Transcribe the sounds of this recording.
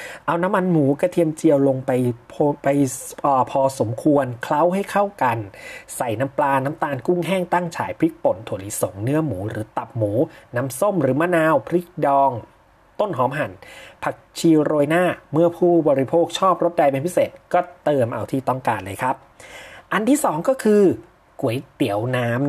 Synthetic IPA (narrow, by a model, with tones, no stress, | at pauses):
ʔa˧wna˦˥mːa˧nmuː˩˦ka˧˩t̪ʰi˧əmt͡ɕi˧əwlo˧ŋpa˧jpʰpa˧jʔːpʰɔː˧so˩˦mkʰu˧ənkʰla˦˥wɦa˥˩jkʰa˥˩wka˧nsa˨˩jna˦˥mplaː˧naː˦˥mt̪aː˧nku˥˩ŋɦɛː˥˩ŋt̪a˥˩ŋt͡ɕʰa̰ː˩˦jpʰɾi˦˥k̚po˨˩˦nt̪ʰu˨˩˦liː˨˦˥so˨˩˦ŋnɯ˦˥ɐmuː˩˦ɾɯː˩˦t̪a˨˩p̚muː˩˦naː˦˥mso˥˩mɾɯː˩˦maː˥˨naː˧wpʰɾi˦˥k̚dɔː˧ŋ | t̪o˥˩nɦɔː˩˦mɦa˨˩˦npʰa˨˩k̚t͡ɕʰiː˧ɾoː˧jnaː˥˩mɯ˥˩ɐpʰuː˥˩bɔː˧ɾi˧pʰoː˥˩k̚t͡ɕʰɔː˥˩p̚ɾo˦˥t̪̚da˧jpe˧npʰi˦˥seː˨˩t̪̚kɔː˥˩t̪ɤː˧mʔa˧wt̪ʰiː˥˩t̪ɔ˥˩ŋkaː˧nlɤː˧jkʰa˦˥p̚ʔa˧nt̪ʰiː˥˩sɔː˩˦ŋkɔː˥˩kʰɯː˧ | ku˨˩˦əjt̪i˩˦əwnaː˦˥m